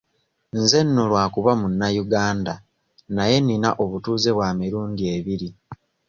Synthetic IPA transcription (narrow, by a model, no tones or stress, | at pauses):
nze̞nːolwaːkuβamunːajuɡaːnda | naje̞nina̰ʔo̞βutuːze̞βwaːmiɾuːndie̞βiɾi